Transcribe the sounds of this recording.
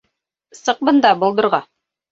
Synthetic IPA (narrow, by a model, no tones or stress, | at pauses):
sɤ̆q̚bɤ̆nd̪ɑbŏlˠd̪ɤ̆ɾʁɑ